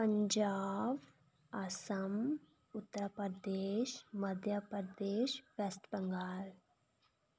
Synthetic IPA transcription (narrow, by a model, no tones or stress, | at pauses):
pəɲd͡ʒaːb | ɐsɐm | ʊt̪ːəɾəpd̪eːʃmɐd̪ʱjəpəɾd̪eːʃʋesʈbəŋɡaːl